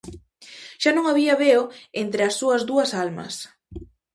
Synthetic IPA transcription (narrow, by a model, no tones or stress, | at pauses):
ʃanõŋaβiɐβeoent̪ɾɪɐsːuɐzðuɐsalmɐ̰s